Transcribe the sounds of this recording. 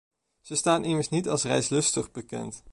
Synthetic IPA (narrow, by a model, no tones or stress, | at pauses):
z̥əstaːnʔɪməɹsnitɑlˠsrɛjslɵstəχbəkɛ̰nt